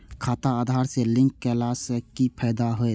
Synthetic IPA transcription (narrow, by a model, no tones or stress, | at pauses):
kʰaːt̪aad̪ʱaːɾselɪ̃ŋkːelasəkipʰəjd̪aɦoe